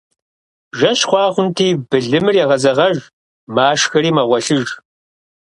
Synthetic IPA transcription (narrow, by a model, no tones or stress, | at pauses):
ʒɐɕχʷɑːχʷʊntʰiːbɨɮɨmɨrjɛʁɐzɐʁɐʒ | maːʂxɐriːmɐʁʷɔɬɨʒ